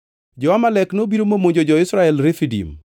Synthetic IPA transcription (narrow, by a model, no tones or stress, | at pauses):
d͡ʒɔamalɛknobiɾomomoɲd͡ʒod͡ʒɔɪsɾaɛlɾɪfidḭm